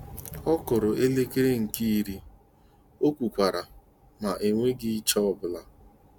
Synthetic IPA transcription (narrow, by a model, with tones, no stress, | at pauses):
ɔ˦kʊ˨ɾʊ˨e˦le˦ke˦ɾe˦ŋ̩˨ki˦i˦ɾi˦ | o˦kʷu˨kʷa˨ɾa˨ | ma˨ʔe˨ŋʷe˦ɡɪ˦t͡ʃɔ˦ɔ˦˨bʊ˨la˨